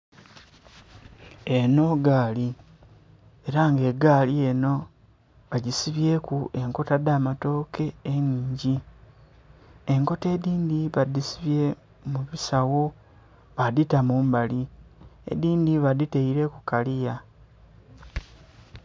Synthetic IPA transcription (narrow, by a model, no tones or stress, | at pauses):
e̞no̞ɡaːli | eɾaŋɡe̞ɡaːlie̞no̞ | βaɟisiβje̞kuʔe̞ŋko̞tadamato̞ːkʰe̞ːɲiːɲɟi | eŋko̞te̞ːdiːndiβadisiβje̞ | muβisawo̞ | βaditamuːmbaliḛdiːndiβadite̞iɾe̞kukalija